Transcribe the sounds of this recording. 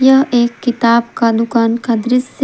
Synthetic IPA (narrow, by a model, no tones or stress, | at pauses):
jɐɦeːkːɪt̪aːbkad̪ʊkaːnkad̪ɾɪs